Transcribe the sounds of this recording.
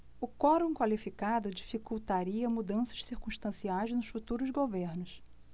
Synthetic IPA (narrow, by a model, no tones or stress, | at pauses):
ʊkɔɾõkwalifikad̪ʊd͡ʒifikuwt̪aɾiɐmud̪ɐ̃sɐ̥ʃsiɾkũʃt̪ɐ̃siajznʊʃfut̪uɾʊzɡoveɾnʊʃ